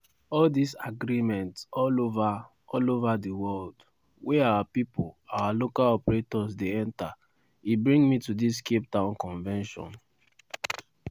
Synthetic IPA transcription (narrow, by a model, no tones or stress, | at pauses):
ɔldisaɡɾimɛ̃ntsɔlova | ɔlovadiwɔld | weawapipolawalokalɔpɹetɔsdeɛ̃nta | ibɹĩŋmitudis̬kep̚tãʊ̃nkɔ̃ɱvɛ̃nʃɔ̰̃n